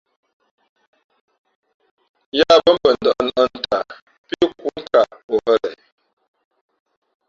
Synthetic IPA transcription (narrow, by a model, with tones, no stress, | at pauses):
ja˦˨bə˦mbə˨n˨də˨ʔə˦nə˦n̩˦ta˨ | pi˦ku˦ŋ̩˦ka˨ʔo˨hə˦˨lɛ˨